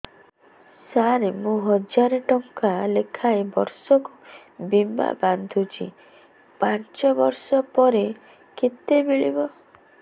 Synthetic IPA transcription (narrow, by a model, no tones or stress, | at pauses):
saɾemũɦɔd͡ʒaɾeʈɔŋkalekʰaebɔɾsɔku | bima̰band̪ʱut͡ʃʰḭ | pant͡ʃɔbɔɾsɔpɔɾe | ket̪ebeɭibɔ